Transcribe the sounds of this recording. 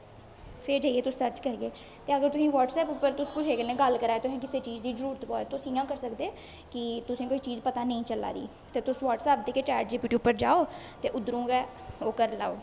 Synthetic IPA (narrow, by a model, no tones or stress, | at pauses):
pʰɪɾd͡ʒaːieːt̪ʊsːəɾt͡ʃkəɾɡeː | t̪eːəɡəɾt̪ʊsĩːʋaːʈsɛːpʊpːəɾt̪ʊskʊɦeːkənẽːɡəlkəɾaːeːt̪ʊsĩːkɪseːt͡ʃiːzd̪iːzəɾuːɾət̪pɔːt̪ʊsĩːjãːkəɾsəkd̪eː | kɪt̪ʊsĩːkoːiːt͡ʃiːzpət̪aːnəĩːt͡ʃəla̰ːd̪ḭː | t̪eːt̪ʊsʋaːʈsɛːp̚d̪eːket͡ʃaːɾʈd͡ʒɪpjuːʈiːʊpːəɾd͡ʒaːoː | t̪eːʔʊd̪ɾũːɡɛː | oːkəɾla̰ːoː